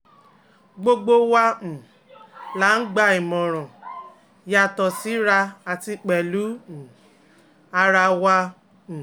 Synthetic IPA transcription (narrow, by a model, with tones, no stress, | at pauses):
ɡ͡bo˧ɡ͡bo˧wã˧˨ | la˨˦n̩˦ɡ͡ba˧i˨mɔ̃˨ɾ̃ɔ̃˨ | ja˨˧˨tɔ˨si˨˦ɾa˧a˨ti˧k͡pɛ˨lũ˨˦˨ | a˧ɾa˧wã˧˨